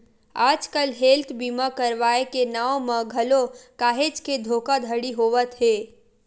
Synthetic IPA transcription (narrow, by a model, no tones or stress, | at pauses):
aːd͡ʒkəlɦeːlt̪ʰbiːmakəɾʋaːekenaːomə̃ɡʱəlokaːɦed͡ʒked̪ʱoːkad̪ʱəɽiɦoːʋət̪ɦeː